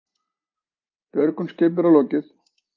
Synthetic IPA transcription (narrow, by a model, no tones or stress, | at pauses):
pœɾkɔnsceːpɪɾalɔːcɪθ